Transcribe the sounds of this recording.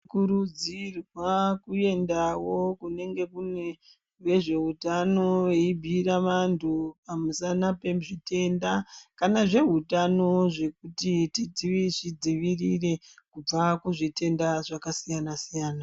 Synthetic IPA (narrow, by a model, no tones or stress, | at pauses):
kuɾud͡zirwakue̞ndawo̞kune̞ŋɡe̞kune | ʋe̞ʐe̞ɦutano̞weibʱiɾaʋantʰupamusanape̞muʐite̞ndakanaʐe̞ɦutano̞ʐe̞kutitid͡ziʋiʐid͡ziʋirire̞kub͡vakuʐite̞ndaʐakasijanasijaːna